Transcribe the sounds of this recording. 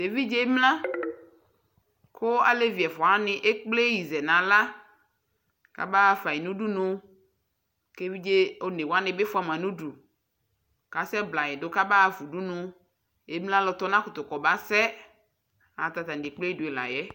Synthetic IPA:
de˨vi˦d͡ʒe˦mlã˦ | kʰʊ˦a˨le˦vi˨ɛ˨fɔ˨a˦nɪ̃˨ʔe˦k͡ple˦ji˨zɛ˨nã˨la˦ | ka̰˨ba˦˨fa˨i˨nũ˦du˦nʊ̃˦ | ke˦vi˦d͡ʒe˦o˦ne˨wa˦nɪ̃˨be˦fʊ˦a˨mã˨nũ˦ɖu˨ | ka˨sɛ˦bla˨ɛ˨dʊ˦ka˦ba˦˨vu˨du˦nʊ̃˨ | e˦mlã˦lɔ˨t̪ɔ˦nã˦kʊ˨t̪ʊ˨kɔ˨ba˦sɛ˦ | a˨t̪a˨t̪a˨n˨di˨k͡ple˦i˦dʊ˨e˨la̰˨jɛ˦

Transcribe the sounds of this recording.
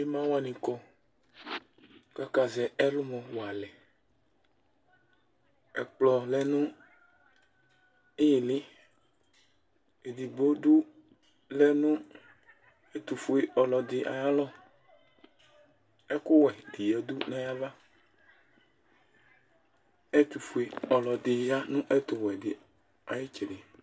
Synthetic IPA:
e˦mã˦wa˨nĩ˨kɔ˨ | ka˦ka˨zɛ˨ɛ˦lʊ˦mɔ̃˨wo˨a˨lɛ˨ | ɛ˨k͡plɔ˨lɛ˦nũ˦ | e˦ji˨lɪ˦ | e˨d̪i˨ɡ͡bo˦du˦ | lɛ˦nũ˦ | e˦t̪u˨fu˦e˨ʔɔ˨lɔ˨d̪ɪ˨ʔa̰˨ja˦lɔ˦ | ɛ˦kʊ˦wɛ˨d̪i˨jɛ˨d̪u˦nɛ̃˦ja˦va˦ | ɛ˦t̪u˨fu˨e˨ɔ˨lɔ˨d̪ɪ˨ja˦nũ˦ʔɛ˦t̪ʊ˨wɛ˨dɪ˨ | a˨je˦t͡ʃɛ˨de˨

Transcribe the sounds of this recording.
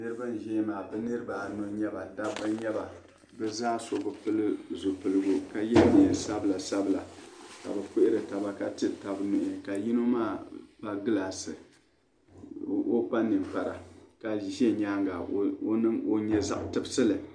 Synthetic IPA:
nɨ˦ɾɨ˦ba˦n˨ʒɛː˦maː˨bɛ˦nɨ˦ɾɨ˦ba˨no˦ɲɛ˦ba˨da˦bɨ˦ɲɛ˦ba˨ | bɛ˦zaː˦so˨bɨ˨˦pɨ˦lɨ˦zo˨pɨ˨lɨ˦˨ɡʊ˦ka˨jɛ˦ni˨ɛ˨sa˦bla˨sa˦bla˨ka̰˨bɛ˨pʊ˦ʔɪ˦ɾɨ˨ta˨ba˨ka˦tɨ˦ta˨bnʊ˨ʔɪ˨ka˨ji˦no˦maː˦˨pa˦ɡɨ˦la˨sɨ˨ | o˦k͡pa˦nɨ˨mk͡pa˨ɾa̰˨ka˨ʒɛ˦ɲaː˦ŋɡa˨˦o˦nɨ˦o˦ɲɛ˦za̰˦ʔʊ˨˦tɨ˦bɨ˦sɨ˦lɨ˨

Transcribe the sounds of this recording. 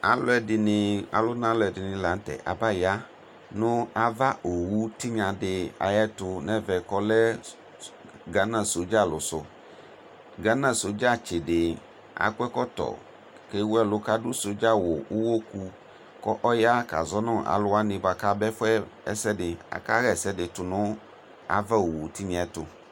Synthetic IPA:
a̰˦lʊ˦ɛ˨dɪ˨nɪ˨a̰˨lʊ˦nã˦lʊ˨ɛ˨dɪ˨nɪ̃˨la˨n̩˦tɛ̰˨ʔa̰˨ba˦ja˦ | nʊ̃˦a˨va˦ʔo˨wu˦tɪ˦ɲã˨dɪ˨a̰˨jɛ˦tʊ˨nɛ̃˦vɛ˨kɔ˦lɛ˦ | ɡa˨˦nã˨so˨˦d͡ʒa˦˨lʊ˨sʊ˨ | ɡa˨˦nã˦˨so˨d͡ʒa˦˨t͡ʃɪ˨dɪ˨ | a̰˨kwɛ˦kɔ˦t̪ɔ̰˨ | ke˦wɛ˦lʊ˦ka˦ɖʊ˦so˨d͡ʒa˦wʊ˨wʊ˦wo˦ku˦ | kɔ˦ʔɔ˦ja˦ka̰˨zɔ˦nɔ̃˦˨ʔa̰˨lʊ˦a˦nɪ̃˨va˨ka˦bɛ˦fɛ˦ɛ˦sɛ˦ɖɪ˨a̰˨ka˦ɣɛ˨sɛ˦dɪ˨t̪ʊ˨nʊ̃˦ | a̰˨va˦o˨wu˨t̪i˦ɲã˨ɛ˨t̪ʊ̰˨

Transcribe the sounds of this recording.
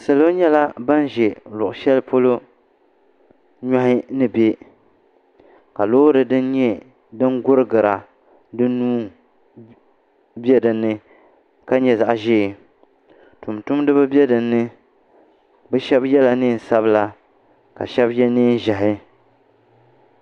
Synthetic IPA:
sa˨lo˦ɲɛ˦la˦ba˦n˦ʒɛ˨lʊ˨ʔʊ˨ʃɛ˦lpo˦lo˦ | ɲa˦hɪ˦nɨ˦be˦ | ka˨loː˦ɾɨ˨dɨ˦n˦ɲɛ˦ | dɨ˦ŋɡʊ˦ɾɨ˦ɡɨ˨ɾa˨ | dɨ˦nuː˦ | bjɛ˦dɨ˨nːɨ˦ | ka˦ɲɛ˨za˨ʔʒeː˦˨ | tu˨mtʊ˦mdɨ˦bɨ˦bɛ˦dɨ˨nːɨ˦ | bɛ˦ʃɛ˦bjɛ˦la˨nɨː˦˨n̩˨sa˦bla˦ | ka̰˨ʃɛ˦bjɛ˦niː˦n˦ʒa˨ɦɪ˦

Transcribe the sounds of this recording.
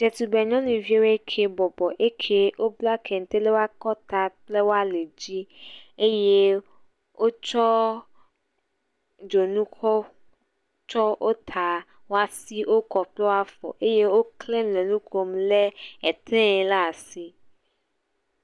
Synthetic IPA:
d͡ʒɛ˨t̪u˨bɛ˨ɲɔ̃˦nũ˨vi˦e˦we˦kʰe˨bɔ˨bɔ˨ʔe˦kʰe˦wo˦bla˦kʰɛ˨ŋ̩˨t̪e˦le˦wo˦a˦kɔ˦t̪a˨ple˦wo˦a˦le˨d͡ʑi˦e˦je˦ | wo˦t͡ʃɔ˦ | d͡ʒo˨nũ˦kʰɔ˦ | t͡ʃɔ˦ʔo˦t̪ʰa˨ | wo˦a˦si˦ʔo˦kɔ˨plɛ˦wo˦a˦fɔ̰˨ʔe˦je˦wo˦kle˦mlɛ̃˨nũ˦ko˦mle˦ɛ˨t̪ʰɛ̃˦ɛ˨la˦˨si˦

